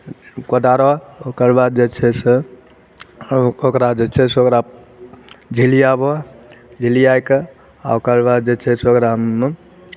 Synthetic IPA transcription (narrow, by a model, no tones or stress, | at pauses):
kod̪aɾɔokəɾbad̪̚d͡ʒet͡ʃʰɛse | okɾad͡ʒet͡ʃʰɛseokɾa | d͡ʒʱilijabɔd͡ʒʱilijajke | a̰okəɾbad̪̚d͡ʒet͡ʃʰɛseokɾaɦəme